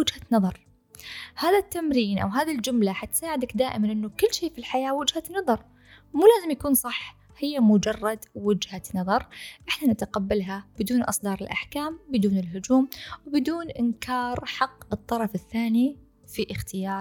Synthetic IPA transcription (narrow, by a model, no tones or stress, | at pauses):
ɪd͡ʒhanɑðˤɑɾˤ | haːðat̪ːamɾiːnʔa̰wɦaːðald͡ʒʊmlaħat̪saːʕɪd̪akd̪aːʔɪmanʔɪnːukɪlːʃiːfilħajaːwɪd͡ʒhanɑðˤɑɾˤ | muːlaːzɪmjakuːnsˤɑħ | hɪjːamʊd͡ʒɑrˤːɑd̪wɪd͡ʒhanɑðˤɑɾˤʔɪħnanɪt̪aqabːalɦab̥ɪd̪uːnʔɨsˤd̪ɑːɾˤɪlʔa̰ħkaːmbɪd̪uːnɪlɦʊd͡ʒuːmwɪbɪd̪uːnʔɪnkʰɑːɾħɑqːɨt̪ˤːɑɾˤɑfɪθːaːni | fiʔɪxt̪ɪjɑːɾˤ